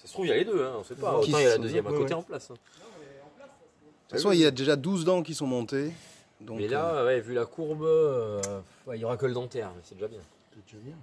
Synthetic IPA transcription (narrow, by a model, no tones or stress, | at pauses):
sasət̪χuvjɛ̃led̪øɛ̃ɔ̃sɛpaiɑ̃jalad̪øzjɛmɛ̃kot̪eɑ̃plasɛ̃ | fɛ̃sɔ̃iljad̪eʒad̪uzd̪ɑ̃k̬ʲisɔ̃mɔ̃t̪e | d̪ɔ̃mɛklawɛvylakʰuʁb | wɛiljɔʁakələd̪ɑ̃t̪ɛʁmɛsɛd̪eʒabjɛ̃ | t̪ut̪øbjɛ̃